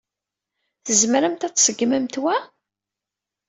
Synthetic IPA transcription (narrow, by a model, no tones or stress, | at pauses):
θəzmɾæmt̪æt͡sːsəɡːmæmt̪wæ